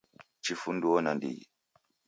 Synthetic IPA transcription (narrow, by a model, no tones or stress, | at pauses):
t͡ʃifunduɔnandḭ